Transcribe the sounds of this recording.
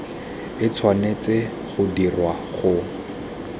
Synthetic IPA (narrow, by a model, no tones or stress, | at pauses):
ɪt͡sʰwanet͡sɪ | χʊdirwa | χʊ